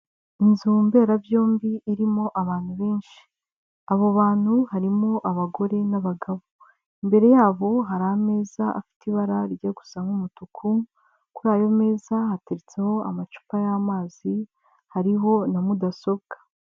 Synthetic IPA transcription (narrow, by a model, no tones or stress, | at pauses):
inzuːmbe̞ːɾavjo̞ːmbiʔːɾimo̞ʔaβaːn̥huβe̞ːnʃi̥ | aβoβaːn̥huhaɾimo̞ʔaβaɡo̞ɾe̞naβaɡaβo | imbe̞ɾe̞jaːβo̞ɦaɾaame̞ːzaʔa̰fi̥tiβaɾaɾiɟeɡu̥saŋumutukʰu | kuɾaːjo̞me̞ːzahateɾit͡seho̞amat͡ʃu̥pajamaːz̥i | haɾiɦo̞namudaso̞bɡḁ